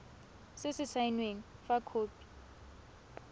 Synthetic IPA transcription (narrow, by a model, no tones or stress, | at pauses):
sɪsɪsʰainweŋ̩fakʰoːpi̥